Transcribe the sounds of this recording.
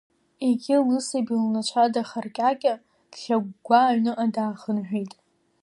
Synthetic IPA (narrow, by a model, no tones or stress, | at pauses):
eɡʲɪlnɨsebilnat͡ʃʷʰadaχarkʲʼakʲʼa | d̥ɬʲaɡ̚ʷɡʷaʕnɨʔadaːχənħᶣijtʼ